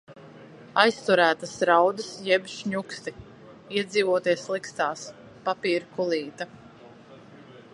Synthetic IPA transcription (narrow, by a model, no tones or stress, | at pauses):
ajst̪uɾæːt̪asɾawd̪ɨsjɛbʲʃɲukst̪i | iɛd̪ziːvuɔt̪iɛslˠikst̪aːs | papiːɾkulˠiːt̪a